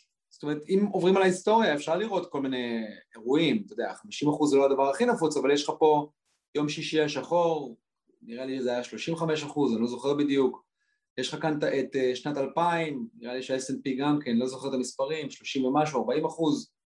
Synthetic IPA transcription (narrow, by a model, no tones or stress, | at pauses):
z̥o̥tome̞ʁetimovʁimalaist̪o̞ʁjaefʃaʁliʁo̞t̪ko̞lmine̞eʁuimt̪od̪eaχamiʃimaχuzːelo̞ad̪avaʁaχinafut͡savaljeʃχapo̞ | jo̞mʃiʃiaʃaχo̞ʁ | niʁaliʃezeajaʃlo̞ʃimveχame̞ʃ̬aχuzanlo̞zo̞χe̞ʁbid̪ijuk | jeʃχakant̪aeteʃnat̪alpaimniʁaliʃeesenpiɡamkenlo̞zoχeʁet̪amispaʁimʃlo̞ʃimvemaʃ̬uaʁbaimaχuz